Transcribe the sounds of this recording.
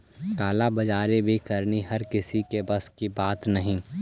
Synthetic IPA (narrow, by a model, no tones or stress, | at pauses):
kaːlabɐd͡ʒaːɾebʱikɐɾniɦɐɾkɪsikebɐskibaːt̪nɐɦĩː